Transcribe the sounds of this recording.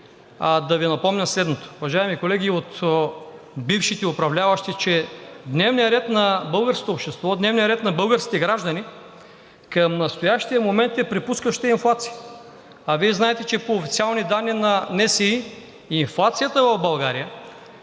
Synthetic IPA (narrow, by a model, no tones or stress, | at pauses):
ad̪ɐvinɐpɔmnʲɐslɛd̪not̪o̥uvɐʒaɛmikolɛɡʲiot̪ | bifʃit̪ɛʊpɾɐvlʲavɐʃt̪it͡ʃɛd̪nɛvnijəɾɛt̪nɐbɤlˠɡəɾsko̥t̪opʃt̪ɛst̪vɔd̪nɛvnijəɾɛt̪nɐbɤlˠɡəɾskʲit̪ɛɡɾaʒd̪ɐni | kɐmnɐst̪ojaʃt̪ijəmomɛnt̪ɛpɾipuskəʃt̪ɛinflˠat̪sijə̥ | ɐviɛznaɛt̪ɛt͡ʃɛpoːfit̪sialˠnid̪anːinɐnɛsɛiː | nflˠat̪sijət̪əvɐvbɐlˠɡaɾijə